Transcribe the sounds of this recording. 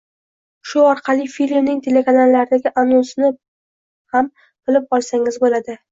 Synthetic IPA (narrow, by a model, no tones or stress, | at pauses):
ʃʊɒɾqʰɑlˠɪfilmnɪŋt̪ʰe̞lekanalːaɾɪd̪aɡʲɪʔanʊsɪnɪ | ham | qɨlɪp̚ɒlˠsaŋɪzbolad̪ɪ